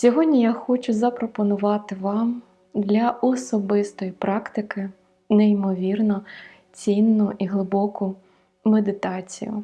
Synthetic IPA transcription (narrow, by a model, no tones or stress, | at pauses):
sʲɔɦɔdʲnʲijaxɔt͡ʃʊzɐpɾɔpɔnʊʋɑt̪ɪʋɑm | d̪lʲɐʔɔsɔbɪst̪ɔjipɾɑkt̪ɪkɪ | neimɔʋʲirnɔ | t͡sʲinːʊʔiɦlˠɪbɔkʊ | med̪ɪt̪ɑt͡sʲḭjʊ̰